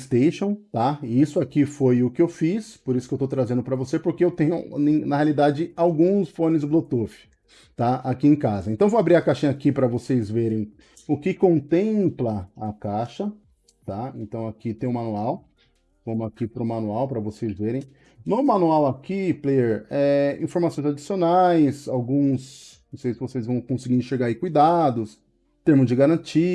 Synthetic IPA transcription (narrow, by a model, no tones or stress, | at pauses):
st̪eʃõw̃t̪aisʊakifojʊkɪewfispoɾisʊkewt̪owt̪ɾazẽnd̪ʊpɾɐvosepoɾkeewt̪ẽɲʊẽnɐhealid̪ad͡ʒɪawɡũsfõnɪzd̪ʊblot̪ofɪ̥ | t̪aakiẽj̃kazɐẽnt̪ɐ̃w̃vowabɾiɾɐkaʃĩɲɐakipɾɐvosejzveɾẽj̃ | ʊkɪkõnt̪ẽplɐɐkaʃɐ | t̪aẽnt̪ɐ̃w̃akit̪ẽj̃ʊ̃mɐ̃nuaw | kõmʊakipɾʊmɐ̃nuawpɾɐvosejzveɾẽj̃ | nʊmɐ̃nuawakiplejeɾɛĩfoɾmasõj̃zad͡ʒisionajsawɡũs | õsejsvosejzvɐ̃w̃kõsɪɡiɾẽʃeɾɡaaikujd̪ad̪ʊs | t̪eɾmʊzd͡ʒɪɡaɾɐ̃nt͡ʃi